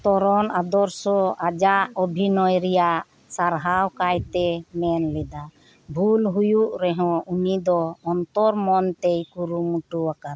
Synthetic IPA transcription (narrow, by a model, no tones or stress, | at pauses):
t̪ɔɾɔnad̪ɔɾsɔʔad͡ʒaʔɔbʱinɔjɾɛjaʔ | saɾɦawkajt̪ɛmɛnlɛd̪a | bʱulɦujuʔɾɛɦɔ̃unid̪ɔːnt̪ɔɾmɔnt̪ɛjkuɾumuʈuwakaɾ